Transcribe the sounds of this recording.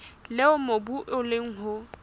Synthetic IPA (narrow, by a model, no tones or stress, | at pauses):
lɪʊmobuʔʊlɪŋ̩ɦʊ